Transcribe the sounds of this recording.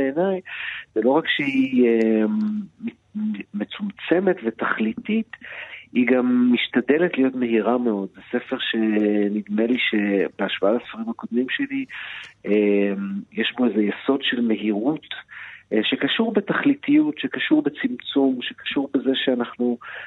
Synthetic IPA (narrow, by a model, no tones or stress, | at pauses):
beenajz̥elo̞ʁakʃei | met͡sumt͡se̞me̞tve̞t̪aχlitit̪iɡamːiʃtad̪e̞letlijo̞tme̞ɦiʁame̞o̞d̪zese̞fe̞ʁʃe̞nid̪meliʃe̞beaʃv̥aalasfaʁimako̞d̪mimʃeli | emjeʃbo̞ezejeso̞dʃe̞lme̞ɦiʁut̪ | ʃekaʃuʁbe̞t̪aχlit̪ijutʃekaʃuʁbet͡simt͡sumʃekḁʃuʁbe̞zeʃeanaχnu